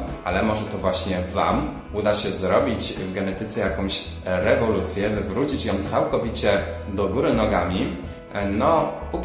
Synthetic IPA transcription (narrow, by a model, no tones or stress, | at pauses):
ʔalɛmɔʐɛt̪ɔvwaɕɲɛva̰m | ud̪aɕɛzɾɔbʲit͡ɕvɡɛnɛt̪ɘt̪sɛjakɔ̃w̃ɕ | ɾɛvɔlut̪sʲjɛvɘvɾut͡ɕit͡ɕjɔ̃m̃t̪sawkɔvʲit͡ɕɛd̪ɔɡuɾɘnɔɡamʲi | nɔpukʲ